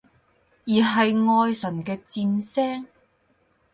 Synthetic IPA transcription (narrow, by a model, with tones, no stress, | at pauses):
jiː˨˩ɦɐ˨jŋɔː˧jsɐ˨˩nkɛː˧t͡siː˧nsɛː˥ŋ